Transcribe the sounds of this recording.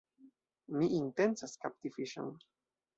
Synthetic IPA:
miʔːnt̪ensaskap̚t̪ifiʃa̰ŋ

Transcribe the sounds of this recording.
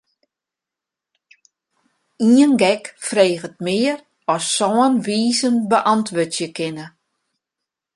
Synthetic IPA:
iənɡɛkfreːɣət̚mɪːər | ɔsːɔːənʋiːzənbəʔɑntʋøtjəkɪnə

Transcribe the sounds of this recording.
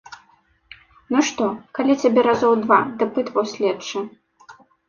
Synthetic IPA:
nɨʂt̪ɔkalʲit͡sʲabʲɛɾazɔwd̪vad̪ɨpɨt̪vɐwsʲlʲɛtt͡ʂɨ

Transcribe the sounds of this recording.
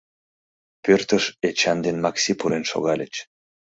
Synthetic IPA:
pørt̪əʃet͡ɕɑnd̪enmɑksipuɾenʃo̰ɣɑlʲə̰t͡ɕ

